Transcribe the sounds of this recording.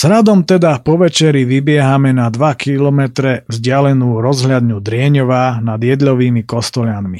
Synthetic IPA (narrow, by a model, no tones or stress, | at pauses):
z̥ɾad̪ɔmt̪ɛd̪apɔʋɛt͡ʃɛɾiʋibɪɛɦamɛnad̪ʋakʰilɔmɛt̪ɾɛvzɟɪalɛnuːɾɔzɦʎad̪nud̪ɾɪɛɲɔʋaːnad̪ɪjɛd̪ʎɔʋiːmikɔst̪ɔʎanmi